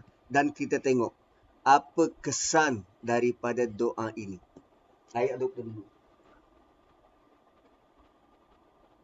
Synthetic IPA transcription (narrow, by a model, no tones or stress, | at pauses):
dankit̪at̪eŋɔʔ | apəkəsandaɾipadadoʔaʔini | ajaʔdɔk̚dədulu